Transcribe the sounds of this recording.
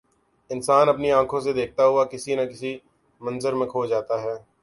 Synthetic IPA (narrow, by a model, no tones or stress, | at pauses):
ɪnsaːnɐpniãːkʰõs̬ed̪eːk̚ʰt̪aɦʊakɪsinɐkɪsi | mɐ̃nzəɾmẽkʰoːd͡ʒaːt̪aɦɛː